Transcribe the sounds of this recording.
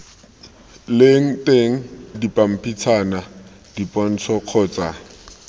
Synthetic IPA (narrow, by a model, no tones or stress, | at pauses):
leŋ̩tʼeŋ̩dipʼam̩pʰit͡sʰana | d̥ipʼɔn̩t͡sʰɔq͡χʰɔːt͡sʼa